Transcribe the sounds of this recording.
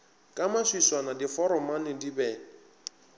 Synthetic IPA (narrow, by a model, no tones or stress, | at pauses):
kʼamaswiswanadifɔɾɔmanɪdibɛː